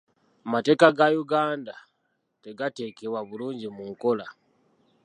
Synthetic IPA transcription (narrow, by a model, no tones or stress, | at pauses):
amate̞ːkaɡajuɡaːnda | te̞ɡate̞ːkeβwaβuluːɲɟimuŋko̞la